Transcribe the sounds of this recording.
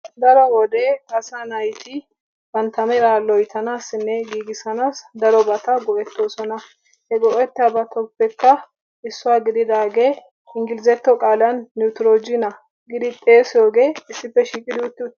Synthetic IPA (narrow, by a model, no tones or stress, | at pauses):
d̪ɐɾɔwɔd̪eːɐsanɐjt̪ɪ | bɐnt̪ɐmɛɾaːlːɔjɪt̪ʰɐnaːsɪnːɛɡiːɡɪsɐnaːsd̪ɐɾɔbɐt̪ɐɡɔʔɛt̪ːoːsɔnɐ | hɛɡɔʔɛt̪ːɪɐbɐt̪ʰɔpːɛkːɐ | ɪsːʊwaːɡɪd̪ɪd̪aːɡeː | ɪŋɡɪlɪzɛt̪ːɔkʼaːlɐnːjut̪ɪɾod͡ʒɪnɐ | ɡɪd̪ɪt̪ʼe̞ːsjo̞ːɡe̞ːɪsːɪpːɛʃiːkʼɪd̪ut̪ːɪ